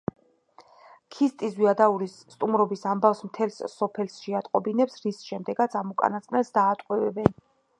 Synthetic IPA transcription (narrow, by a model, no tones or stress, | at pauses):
kʰist̪ʼizvwiad̪auɾisːt̪ʼumɾɔbisambafsmt̪ʰɛlssɔpʰɛlsʃɛat̪ʼqʼɔbinɛpsɾisʃɛmd̪ɛɡat̪sʰamukʼa̰nat̪sqʼnɛlsd̪aːt̪ʼqʼwɛvɛbɛn